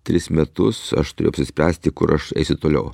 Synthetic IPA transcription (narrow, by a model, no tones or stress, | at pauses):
t̪ʲɾʲɪsmʲɛt̪ʊsɐ̰ʃt̪ʊɾʲeːʊɐpʲsʲɪsʲpʲɾʲæːsʲt̪ʲɪkʊɾɐʃɛ̰ɪsʲʊt̪oːlʲɛʊ